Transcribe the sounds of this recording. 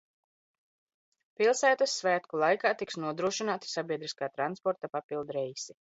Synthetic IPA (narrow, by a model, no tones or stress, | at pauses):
pilˠsæːt̪asːvæːt̪kulˠajkaːt̪iksnuɔd̪ɾuɔʃinaːt̪i̥sabʲiɛd̪ɾiskaːt̪ɾanspɔɾt̪apapilˠd̪ɾɛjsi